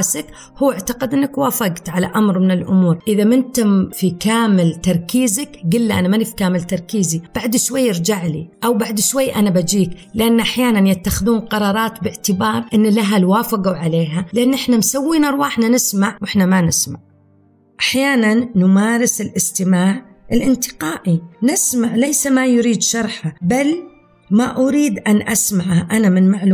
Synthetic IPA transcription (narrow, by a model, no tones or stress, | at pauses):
sak | huːaʕt̪aqad̪ʔɪnːakwaːfaɡt̪ʕala̰ʔamɾmɪnɪlʔʊmuːɾʔɪðamɪnt̪ʊmfikaːmɪlt̪ɑɾˤkiːzakɡɪlːiʔa̰namanifi̥kaːmɪlt̪ɑɾˤkiːzib̥aʕd̪ʃwajːɑɾˤd͡ʒaʕlḭʔawbaʕd̪ʃwajːʔanabad͡ʒiːklɪʔanːʔaħjaːnanjat̪ːaxɪðuːnqɑɾˤɑːɾˤɑːt̪bɪʕt̪ɪbɑːɾˤʔɪnːlaɦalwaːfɪɡawʕaleːɦalɪʔanːʔɪħnamsawːiːnaɾˤwaːħnanɪsmaʕwʔɪħnamanɪsmaʕ | ʔaħjaːnanːʊmaːɾɪsɪlʔɪst̪ɪmaːʕ | ʔɪlʔɪnt̪ɪ̥qaːʔinɪsmaʕlajsamajʊɾiːd̪ʃɑɾˤħabal | maʔʊɾiːd̪ʔanʔasmaʕhaʔanamɪnmaʕlu